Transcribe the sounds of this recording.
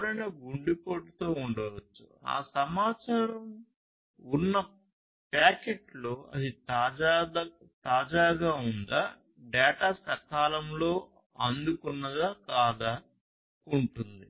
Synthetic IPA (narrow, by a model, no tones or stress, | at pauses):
ɽɐjnɐːɡuɳɖipoːʈut̪o̞ːuɳɖɐʋɐt͡ʃːu̥̰a̰ːsɐmaːt͡ʃaːɾɐm | unːɐ | paːkeʈloːɐ̰d̪it̪aad̪ | t̪aːd͡ʒaːɡaːund̪aː | ɖɛːʈaːsɐkaːlɐmlo̞ː | ɐnd̪ukunːɐd̪aːkaːd̪a | uɳʈund̪i